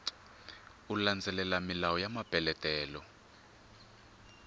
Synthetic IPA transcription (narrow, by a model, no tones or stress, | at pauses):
uland͡zʱɛlɛlamilawɔjamab̥ʱɛlɛtʼɛːlɔ